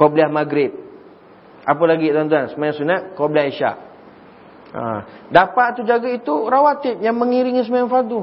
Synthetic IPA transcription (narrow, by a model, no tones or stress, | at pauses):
kobliahmaɡɾɪt̚ | apəlaɡit̪uant̪̬uansəmajãŋsunaʔ̪kɔbliahiʃa̰ʔ | a̰dapaʔt̪ud͡ʒaɡait̪uɾawat̪ipjaŋmə̃ŋiɾiŋis̬əmajaŋfadu